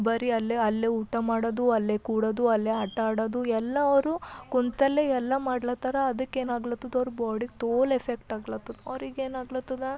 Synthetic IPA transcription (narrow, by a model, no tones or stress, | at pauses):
bɐɾiɐlːeɐlːeuʈːɐmaːɽod̪uɐlːekuːɽɐd̪uɐlːeɦɐʈːaːɽɐd̪uɛlːɐʋɐɾukunt̪ɐlːeɛlːɐmaːɽɐlɐt̪ɐɾɐɐd̪ɐkːeːnaːɡlɐt̪ːɐd̪ɐʋɾubaːɽik̚t̪oːlefʰekʈaːɡlɐt̪ːɐd̪ɐʋɾiɡeːnaːɡlɐt̪ːɐd̪ɐ